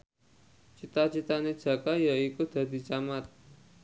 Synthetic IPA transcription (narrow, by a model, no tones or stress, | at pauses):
t͡ʃit̪at͡ʃit̪aned̥ʒ̥a̤kajaikud̪̥a̤d̪̥i̤t͡ʃamat̪̚